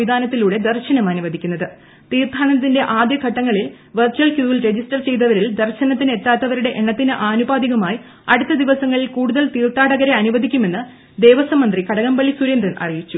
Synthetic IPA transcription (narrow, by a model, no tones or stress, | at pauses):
id̪ʱaːnɐt̪ːiluːɽe̞d̪ɐrɕɐnɐmɐnuʋɐd̪ʱikʲːunːɐðɨ | t̪iːrt̪ʰaːɳɐt̪̬ːinde̞ʔaːd̪jɐɡʱɐʈːɐŋːɐɭil | ʋɐrt͡ɕɐlkjuːilɾe̞d͡ʑisʈɐrt͡ɕe̞jt̪ɐʋɐɾild̪ɐrɕɐnɐt̪̬ːinet̪ːaːt̪ːɐʋɐɾuɽe̞ʔeɳːɐt̪ːinɨʔaːnubaːd̪iɣɐmaːji | ɐɽut̪ːɐd̪iʋɐsɐŋːɐɭilkuːɽuðɐlt̪iːrt̪aːɽɐɣɐɾeɐnuʋɐd̪ʱikʲːume̞nːɨ | d̪e̞ːʋɐsɐmɐnd̪rikɐɽɐɣɐmbɐɭːisuɾend̪ɾɐɳʔɐ̰rijit͡ɕːu